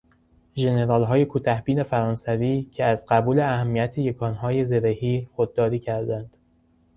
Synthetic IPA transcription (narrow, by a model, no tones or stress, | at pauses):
ʒe̞ne̞ɾɒːlɦɒːje̞kʰuːt̪ʰæhbiːne̞fæɾɒːnsæviːcʰeæzɢæbuːle̞æhæmːiæt̪ʰeje̞kʰɒːnɦɒːje̞ze̞ɾehiːxod̪̚ːɒːɾiːcʰæɾd̪ænd̪̥